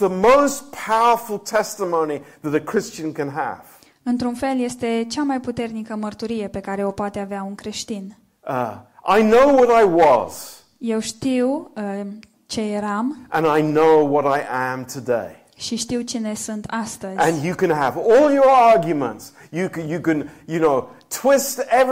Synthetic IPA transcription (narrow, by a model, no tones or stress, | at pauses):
ðəmoʊspʰaʊə˞fl̩ˠtʰɛstəmõʊ̃niðɨɾɨkʰɹ̥ɪst͡ʃɨ̃nkɨ̃nə̰v̥ | ɨnt̪ɾunfe̞lje̞st̪e̞t͡ʃamajput̪e̞rnikəmərt̪uɾije̞pe̞kaɾe̞o̞poat̪e̞aveaunkɾe̞ʃt̪in | ʔa̰ɪnoʊwʌɾaɪwʌ̰z̥ | je̞wʃt̪iw | t͡ʃe̞jeɾamʔə̃naɪnoʊwʌɾaɪʔə̃mtʰɨdḛɪ | ʃiʃt̪iwt͡ʃine̞sunt̪ast̪əzɨ̃njɨkɨ̃nəvɔlˠjə˞ɑɹɡjɨmə̰̃nts | jɨkjɨkɨ̃njɨnoʊtʰw̥ɪstɛ